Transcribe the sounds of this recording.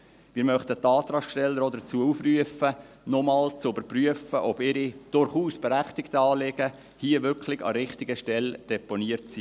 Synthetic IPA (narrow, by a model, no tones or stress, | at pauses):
mɪːɾmœχt̪ət̪ːɑːt̪ɾɑʃʃtɛlːəɾɔd̪ət͡suəuːfryəfə | nɔmɑːlt͡sʊʏbəɾpryəfəʔɔbɪɾid̥ʊɾχuːsb̥ɛɾæχt̪ɪktəɑːlɪɡ̥ə | hiəʋʏrkχlɪɡɑ̰ɾɪχtɪɡəʃtɛld̥ɛponiəɾtsi